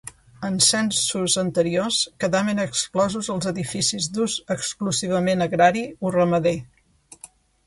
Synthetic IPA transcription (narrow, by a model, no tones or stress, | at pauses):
ənsɛnsuzənt̪əɾioskəðaβənəksklɔzuzəlˠzəðifisizd̪uzəkskluziβəmenəɣɾaɾiurəməðe